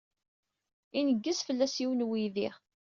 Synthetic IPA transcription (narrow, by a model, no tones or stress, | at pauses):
inəɡːəsfəlːæsiwənwiðiʁ